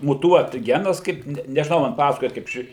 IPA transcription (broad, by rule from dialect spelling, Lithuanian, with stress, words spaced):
mʊˈtuɔt ˈɡʲæːnɐs ˈkɐɪp nʲɛ nʲɛʒʲɪˈnɐʊ mɐn ˈpɑːsɐkoːjɛ kɐɪp ˈʃʲɪ